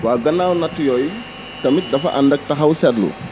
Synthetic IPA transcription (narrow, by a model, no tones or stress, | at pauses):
waːɡɐnːawnɐtːujɔj | tɐmit̪̚dɐfɐ̰ʔandɐk̚tɐɦawsadlṵ